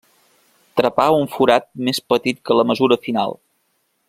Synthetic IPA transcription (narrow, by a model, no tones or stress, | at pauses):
t̪ɾəpauɱfuɾat̪̚mespət̪it̪̚kələməzuɾəfina̰lˠ